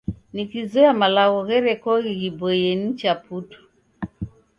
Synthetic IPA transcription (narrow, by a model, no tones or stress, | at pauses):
nikizɔamalaɣɔɣɛɾɛkɔɣiɣibɔjɛnit͡ʃaputɔ̥